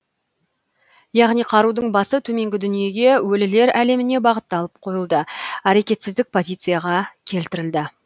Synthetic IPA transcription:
jɑʁnijqʰɑɾud̪əɴbɑsət̪ʰɵme̞ŋɡʲɪd̪ʏnije̞ɡʲe̞wɵlɪle̞ɾæle̞mɪne̞bɑʁət̪ːɑlˠəp̚qʰo̞jəlˠd̪əæɾe̞kʲe̞t̪sɪzd̪ɪk̚pʰo̞zʲijt̪sɨjaʁɑkʲʰe̞lt̪ɪɾɪld̪ɪ

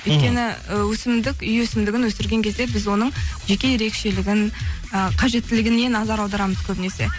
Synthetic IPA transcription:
ʏjt̪kʲe̞nɪwɵsɪmd̪ɪkʲʏjwɵsɪmd̪ɪɡʲɪnwɵsɪɾɡʲe̞ŋkʰʲe̞zd̪ebɪzwo̞nəɴʒe̞kʲe̞je̞ɾe̞kʃe̞lɪɡʲɪnəqʰɑʒe̞t̪ːɪlɪɡʲɪne̞nɑzɑɾɑwd̪ɑɾɑməz̥kʲʰɵbɪne̞se̞̰

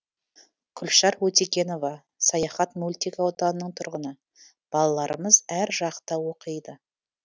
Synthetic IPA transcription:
kʲʰʏlʃɑɾwɵt̪ekʲe̞no̞vɑ | sɑjɑχɑt̪mulʲt̪ikawot̪ɑnənəɴt̪ʰʊɾʁənə | b̥ɑlˠɑlˠɑɾəməzæɾʒɑqt̪ɑwo̞qəjd̪ə

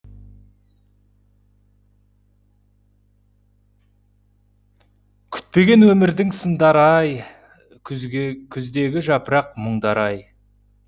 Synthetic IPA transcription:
kʲʰʏ̥t̪̚pe̞ɡʲe̞nwɵmɪɾd̪ɪŋsənd̪ɑɾɑj | kʲʰʏzd̪e̞ɡʲɪʒɑpəɾɑqməɴd̪ɑɾɑj

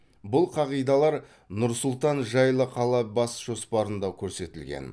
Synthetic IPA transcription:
bʊlˠqʰɑʁijd̪ɑlˠɑɾ | nʊɾsʊlˠt̪ɑnʒɑjlˠəqʰɑlˠɑbɑsʒ̥o̞spɑɾənd̪ɑkʲʰɵɾse̞t̪ɪlɡʲḛn

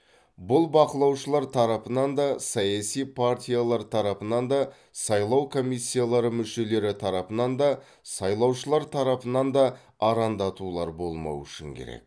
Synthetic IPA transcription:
bʊlˠbɑqəlˠɑwʃəlˠɑɾt̪ʰɑɾɑpənɑnd̪ɑsɑjɑsijpʰaɾt̪ʲijalˠɑɾt̪ʰɑɾɑpənɑnd̪ɑ | sɑjlˠɑwkʰo̞misʲːijalˠɑɾəmʏʃe̞le̞ɾɪt̪ʰɑɾɑpənɑnd̪ɑ | sɑjlˠɑwʃəlˠɑɾt̪ʰɑɾɑpənɑnd̪ɑː | ɾɑnd̪ɑt̪ulˠɑɾbo̞lˠmɑ̰wʏʃɪ̰ŋkʲʰḛɾḛk̚

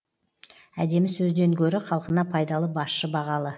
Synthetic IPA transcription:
æd̪e̞mɪsɵzd̪e̞ŋkʲʰɵɾɪχɑlˠəqənɑpʰɑjd̪ɑlˠəbɑsʃəbɑʁɑlˠə

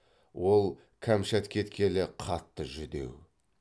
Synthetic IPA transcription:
wo̞lˠ | kʲʰæmʃæt̪kʲʰe̞t̪kʲʰe̞lɪqʰɑt̪ːəʒʏd̪e̞̰w

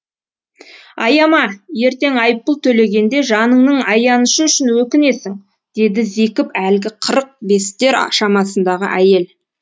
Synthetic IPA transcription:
ɑjɑmɑje̞ɾt̪e̞ŋɑjp̚ːəlˠt̪ʰɵle̞ɡʲe̞nd̪e̞ʒɑnəɴnəɴɑjɑnəʃəʏʃɪnwɵkʲɪne̞sɪŋ | d̪̥e̞d̪ɪze̞kʲɪpælɡʲɪqʰəɾəq̚be̞st̪e̞ɾʃɑmɑsənd̪ɑʁə̰ʔæje̞l

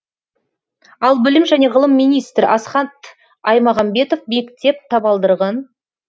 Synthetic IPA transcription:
ɑlˠbɪlɪmʒæne̞ʁəlˠəmːijnijst̪ɾɪʔɑsχɑnt̪ | ɑjmɑʁɑmbe̞t̪ofme̞kt̪e̞p̚t̪ʰɑpɑlˠd̪əɾʁɑn

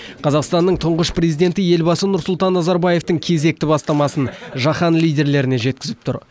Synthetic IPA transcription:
qʰɑzɑqst̪ɑnːəɴt̪ʰʊɴʁəʃpre̞zijd̪ʲe̞nt̪ɪje̞lbɑsənʊɾsʊlˠt̪ɑnːɑzɑɾbɑje̞ft̪əŋkʲʰe̞ze̞k̚t̪ɪbɑst̪ɑmɑsənʒɑχɑnlˠijd̪ʲe̞ɾle̞ɾɪneʒe̞t̪̚kʲɪzɪp̚t̪ʰʊ̰ɾ

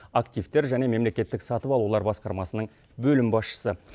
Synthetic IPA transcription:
akt̪ijvt̪e̞ɾʒæne̞me̞mle̞kʲe̞t̪ːɪksɑt̪əpɑlˠulˠɑɾbɑsqɑɾmɑsənəɴ | bɵlɪmbɑsʃə̥sə

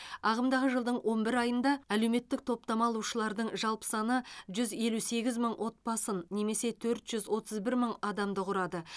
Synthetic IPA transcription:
ɑʁəmd̪ɑʁəʒəlˠd̪əɴwʔo̞nbɪɾɑjənd̪ɑælewme̞t̪ːɪk̚t̪ʰo̞p̚t̪ɑmɑlˠuʃəlˠɑɾd̪əɴʒɑlˠpə̥sɑnəʒʏze̞luse̞ɡʲɪzməɴwʔo̞t̪̚pɑsənːe̞me̞se̞t̪ʰɵɾt̪ʒ̥ʏzwo̞t̪ʰəzbɪɾməɴɑd̪ɑmd̪əqʊɾɑd̪ə

